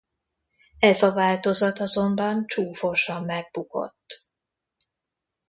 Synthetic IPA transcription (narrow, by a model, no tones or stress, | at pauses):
ɛzɒvaːlt̪o̞zɒt̪ɒzo̞mbɒnt͡ʃuːfo̞ʃɒmːɛɡ̚buko̞̰t̪ː